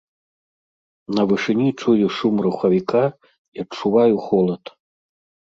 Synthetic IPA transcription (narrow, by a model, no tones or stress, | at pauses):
nɐvɨʂɨnʲit͡ʂujuʂumruxɐvʲika | iɐt͡ʂːuvajuxɔlˠɐt̪